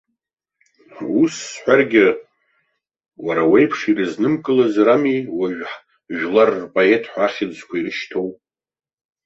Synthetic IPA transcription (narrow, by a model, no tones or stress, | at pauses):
usħʷᶣarɡʲɪ | waɾawejpʰʂirɨznɨmkʼɨlazramiwaʒᶣħ | ʒᶣlarːpʼoe̞tʰʼħʷaχʲɪzkʷʰairɨʃtʰo̞wp